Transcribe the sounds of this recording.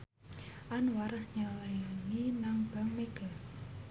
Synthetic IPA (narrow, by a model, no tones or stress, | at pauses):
ʔanwaɾəhɲalaŋinaŋb̥a̤ŋmeɡ̥a̤